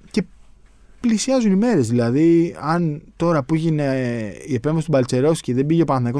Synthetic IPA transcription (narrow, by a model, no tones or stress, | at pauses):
ce̞ | plisiɐzunime̞ɾe̞zðilɐðiɐnt̪o̞ɾɐpuiʝineie̞pɱvɐsit̪ubɐlt͡se̞ɾo̞sciðebiʝepɐnɐθnɐko̞